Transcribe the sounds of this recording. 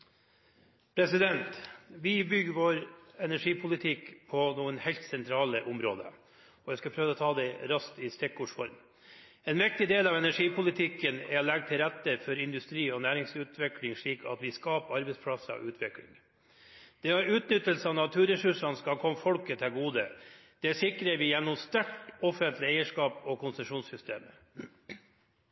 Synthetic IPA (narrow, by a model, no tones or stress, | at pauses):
pʰɾɛsɪd̪ɛnt̪ʋɪbʏɡəʋoːɾɛnæʂiːpʰʊlɪt̪ʰɪkpʰɔnuːənhɛlt̪sɛnt̪ʰɾɑːləʔʊmɾo̰ːd̪ə̰ | ɔʋɛskɑpʰɾøːʋəɔːt̪ʰɑːd̪ɛɾɑst̪ɪst̪ɛkːʊʂfɔɾm | ɛːnʋɪk̚t̪ɪd̪eːlɑːʋɛnæʂiːpʰʊlɪt̪ʰɪkːənɛɔlæɡ̚t̪ʰɪlɾɛt̪ːəfɔɾɪnd̪ʉst̪ɾiːɔnæːɾɪŋsʉːt̪ʰʋɛklɪŋʂɭiːkʰɑ̰t̪ʋɪskɑːpɑɾbɛɪspʰɽɑsəɔ̰ʔʉːt̪ʰʋɪklɪ̰ŋ | d̪̥ɛɑɾʉːt̪nʏt̪ːəlsəɑːʋnɑt̪ʰʉːɾɛsʉʂɑnskɑlkʰɔmːəfɔlkət̪ʰɪlɡuːd̪əd̪̥ɛæʂɪkɾəɾʋɪjɛnːʊmst̪æʈɔfənt̪ʰlɪɛɪəʂkɑːpɔkʰʊnsəʂuːnsʏst̪eːmə